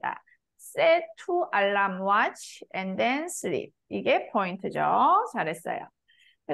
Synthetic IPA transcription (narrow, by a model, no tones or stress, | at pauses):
da̰ | s͈etʰuʔaɭːamwat͡ɕʰɛndensɯɾḭp̚iɡe̞pʰointʰɯd͡ʑot͡ɕaɾɦe̞s͈ʌ̰jo̰ | kɯ